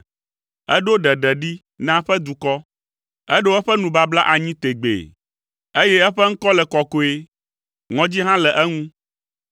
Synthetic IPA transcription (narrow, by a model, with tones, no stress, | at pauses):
ɛ˦ɖo˦ɖɛ˨ɖɛ˨ɖi˦ | nã˦ɸɛ˦d̪u˨kɔ˦ | ɛ˦ɖo˦ɛ˦ɸɛ˦nũ˨ba˦bla˦ʔa˨ɲĩ˦t̪e˨ɡ͡bḛ˨ | e˦jɛ˦ɛ˦ɸɛ˦ŋ̩˦kɔ˦lɛ˨kɔ˨ko˨e˦ | ŋɔ̃˨˦d͡ʑi˦ɦã˦lɛ˨ʔɛ˦ŋũ˦